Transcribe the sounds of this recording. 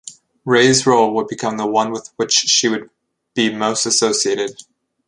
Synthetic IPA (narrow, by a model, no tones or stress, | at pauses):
ɹeɪzɹoʊlˠwəd̚bɨkʰʌ̃mðəwʌ̃nwəðwɪt͡ʃʃiwɨd̚ | b̥imoʊstɨsoʊsieɪɾɨd̥